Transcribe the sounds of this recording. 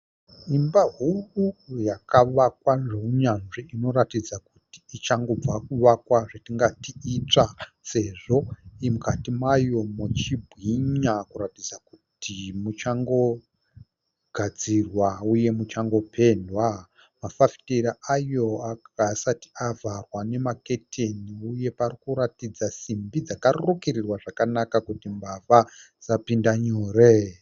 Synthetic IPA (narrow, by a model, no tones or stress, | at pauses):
imbaɦurujakaʋakwaʐeuɲanʐiino̞ɾatid͡zakuti̥it͡ʃaŋɡo̞b͡vakuʋakwaʐetiŋɡatiːt͡ʂa | se̞ʐo̞imukatimajo̞mut͡ʃibʱwiɲakuɾatid͡zakutʰimut͡ʃaŋɡo̞ | ɡ̥ʱad͡zirwauje̞mut͡ʃaŋɡo̞pʰe̞ndwa | mafafi̥teɾaajo̞akasati̥avarwane̞maketʰe̞niuje̞parikuɾatid͡zasimbid͡zakarookerirwaʐakanakakutimbava | zapindaɲoːre